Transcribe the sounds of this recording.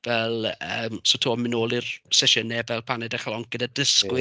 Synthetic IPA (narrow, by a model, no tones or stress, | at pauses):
vɛlˠəːmsotʰoːmɪnoːlˠirsɛʃənɛvɛlˠpʰanɛdɛχlˠɔŋkɡ̥ədadəskwɪ